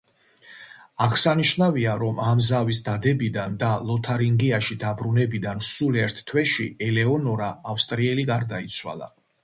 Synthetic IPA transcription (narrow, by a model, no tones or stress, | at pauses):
aʁsaniʃnaviaɾɔmamzavisd̪ad̪ɛbid̪and̪alˠɔt̪ʰaɾiŋɡiaʃid̪abɾunɛbid̪ansulɛɾt̪ʰt̪ʰːwɛʃiɛlɛɔnɔɾaːfst̪ʼɾiɛliɡaɾd̪ait̪sʰwa̰lˠa̰